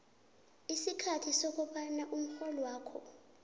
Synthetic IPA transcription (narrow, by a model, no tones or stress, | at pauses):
isikʰatʰisok̬ʼuɓanaʔum̩xɔlɔwaːkʰɔ̰